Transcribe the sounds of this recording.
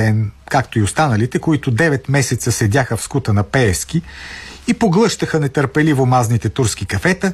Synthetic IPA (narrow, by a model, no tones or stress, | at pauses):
ɛnkakt̪oiost̪anəlit̪ɛkoit̪ʊd̪ɛvɛt̪mɛsɛt̪səsɛd̪ʲaxəfskut̪ənɐpɛɛsk̟iipoɡlˠɤʃt̪əxənɛt̪əɾpɛlivomaznit̪ɛt̪uɾsk̟ikɐfɛt̪ə